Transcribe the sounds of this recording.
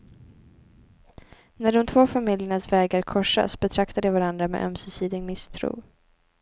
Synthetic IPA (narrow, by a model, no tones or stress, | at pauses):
næɖɔmt̪ʰv̥oːfamɪljəɳasvɛːɡaɾkʰɔʂːa̰sbɛt̪ʰɾakt̪ad̪ɛvaɾand̪ɾamḛʔœ̰msɪsiːd̪ɪɡmɪst̪ʰɾṵː